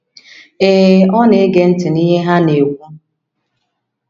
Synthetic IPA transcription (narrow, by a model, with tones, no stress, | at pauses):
e˨ɦɔ˦ne˨˦ɡe˦n̩˦tɪ˨ni˦ɦe˦ɦa˦ne˨wʷu˦